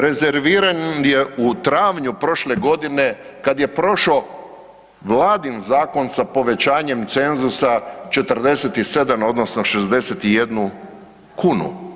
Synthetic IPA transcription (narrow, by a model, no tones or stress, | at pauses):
ɾe̞ze̞ɾʋiːɾanjeut̪ɾaːʋɲupɾo̞ʃle̞ɡo̞d̪ine̞ | kad̪je̞pɾo̞ʃo̞ | ʋlaːd̪inzaːko̞nsapo̞ʋe̞t͡ɕaːɲe̞mt̪se̞nzusat͡ʃe̞t̪ərd̪e̞set̪ise̞d̪amo̞d̪no̞sno̞ʃezd̪e̞set̪ijed̪nu | kunṵ